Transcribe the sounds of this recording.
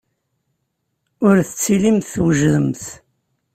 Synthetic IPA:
ʊɾθət͡sːilimθθwəʒðəmθ

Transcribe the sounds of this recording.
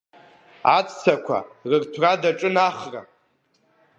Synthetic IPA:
at͡sʰʼt͡sʰakʷʰa̰rɨrtʰradaʈ͡ʂʼɨnaχra̰

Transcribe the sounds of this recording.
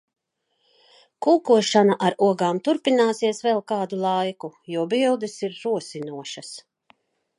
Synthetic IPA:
kuːkuɔʃanaʔaɾuɔɡaːmt̪uɾpinaːsiɛsvɛlˠkaːd̪ulˠajkujuɔbilˠd̪isiɾːuɔsinuɔʃas

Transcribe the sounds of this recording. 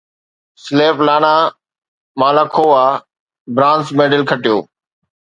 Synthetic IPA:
sleːplaːnãː | maːlakʰoːaː | bɾãːnsmeːɖəɪlkʰəʈɪjoː

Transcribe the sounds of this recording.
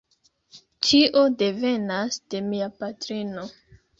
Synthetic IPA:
t͡ʃiʔo̞de̞ve̞nasd̥e̞miapatɾino̞

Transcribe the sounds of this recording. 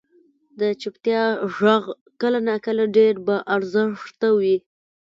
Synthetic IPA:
d̪ət͡ʃɪpt̪jɑʒaɣ | kəlanakəlaɖeɾbaʔaɾzəʂt̪awi

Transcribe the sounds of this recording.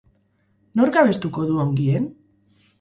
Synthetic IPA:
no̞ɾɡaβe̞st̪uko̞ðuaŋɡien

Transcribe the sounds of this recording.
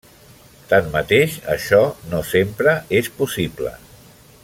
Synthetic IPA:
t̪ammət̪eʃə̰ʃɔnosempɾəespusiblə̰

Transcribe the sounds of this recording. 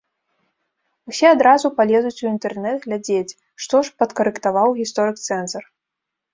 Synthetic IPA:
usʲɛad̪ɾazupalʲɛzut͡sʲuint̪ɛrnɛd̪ɣlʲad͡zʲet͡sʲ | ʂt̪ɔʂpɐt̪kɐɾɨkt̪avawɣʲist̪ɔɾɨkt̪sɛnzɐr

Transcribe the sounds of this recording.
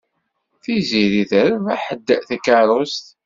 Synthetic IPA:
θiziɾiθəɾvæħəd̪ːəθækːɑɾˤost̪

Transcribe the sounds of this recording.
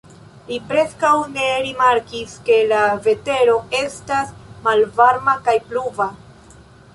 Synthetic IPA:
lipɾe̞skawne̞ɾimaɾkiske̞lave̞te̞ɾo̞e̞stasmalvaɾmakajpluva

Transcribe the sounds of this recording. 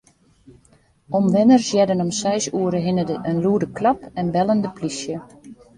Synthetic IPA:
ɔmʋɪnərsjɛdənɔmsɛjsuəɾəɦɪnədəʔənluədəklɑpɛnbɛləndəplisjə

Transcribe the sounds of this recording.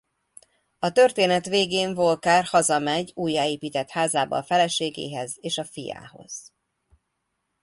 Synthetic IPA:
ɒt̪ørt̪eːnɛt̪ʋeːɡeːɱvo̞lkaːrhɒzɒmɛɟuːjːaːeːpiːt̪ɛt̪haːzaːbɒ̰ːfɛlɛʃeːɡḛːɦɛzeːʃɒfija̰ːho̞̰z̥

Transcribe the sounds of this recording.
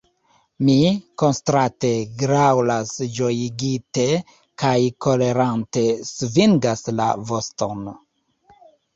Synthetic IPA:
miko̞nstɾate̞ɡɾawlasd͡ʒo̞jiɡite̞ | kajko̞le̞ɾante̞sviŋɡasla̰vo̞sto̞n

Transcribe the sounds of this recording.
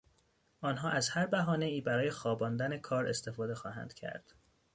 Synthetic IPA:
ʔɒːnɦɒːʔæzhæɾbæɦɒːne̞iːbæɾɒːjexɒːbɒːnd̪æne̞kʰɒːɾest̪ʰe̞fɒːd̪exɒːɦæ̰nd̪̥cʰæ̰ɾd̪̥

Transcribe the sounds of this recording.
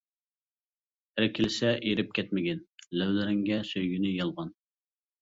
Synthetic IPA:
ɾɪkʲʰilɪsɛʔiɾɪp̚kʲʰɛt̪mɪɡʲɛnlæwlɪɾɪŋɡʲɛsøjɡʲynɪjɑlˠʁɑn

